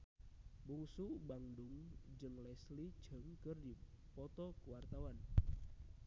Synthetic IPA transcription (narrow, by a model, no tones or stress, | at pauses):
buŋsubaŋdʊŋd͡ʒɨŋlɛsli̥d͡ʒ̥ə̤ŋkərdi | pɔt̪ɔkuwart̪awan